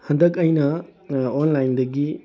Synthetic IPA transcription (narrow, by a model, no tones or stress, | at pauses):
hɐndɐkɐjnɐonlajndɐɡi